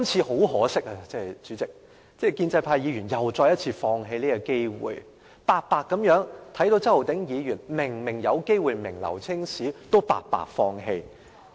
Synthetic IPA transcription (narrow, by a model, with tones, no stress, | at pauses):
kɐ˥mt͡sʰiː˧ho˨˥wɦɔː˨˥sɪ˥k̚a˧t͡sɛː˥˨jt͡ʃyː˨˥t͡sɪ˨k̚ | t͡sɛː˥˩jkiː˧nt͡sɐ˧jpʰaː˧jiː˨˧jyː˨˩njɐ˨wt͡ʃɔː˧jɐ˥t̚t͡sʰiː˧fɔː˧ŋɦe˧jliː˥kɐ˧ke˥jwṵː˨˩j | paː˧k̚paː˧kːɐ˨˥mjœː˨˥ŋt̪ʰɐ˨˥jt̪o˧wt͡sɐ˥wo˨˩wt̪ɪ˨˥ŋjiː˨˧jyː˨˩nmɪ˨˩ŋmɪ˨˩ŋjɐ˨˧wke˥jwuː˨˧jmɪ̰˨˩ŋlɐ̰˨˩wt͡sʰɪ˥ŋsiː˨˥t̪o˥wpa̰ː˨˧k̚pa̰ː˨k̚fɔː˧ŋɦe˧j